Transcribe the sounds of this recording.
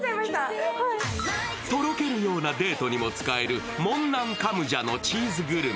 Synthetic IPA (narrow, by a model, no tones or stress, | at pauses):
t̪o̞ɾo̞ke̞ɾɯ̟jo̞ːnad̪e̞ːt̪o̞ɲ̟imo̞t͡sɨ̥kae̞ɾɯ̟ | mõ̞nːãŋkamɯ̟ʑano̞t͡ɕiːzɨɡɯ̟ɾɯ̟